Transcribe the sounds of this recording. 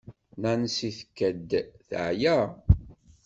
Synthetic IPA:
nænsiθə̥kːæd̪θʕjæ

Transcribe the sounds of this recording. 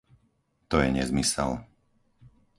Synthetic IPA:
t̪ɔjɛɲɛzmisɛ̰l

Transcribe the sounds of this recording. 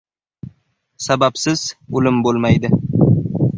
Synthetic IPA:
sabapsɪz̥ʊlɪmbolˠmajd̪ɪ

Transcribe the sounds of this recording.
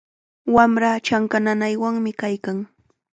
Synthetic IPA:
wamɾat͡ʃaŋkananajwaŋmɪkajkaŋ

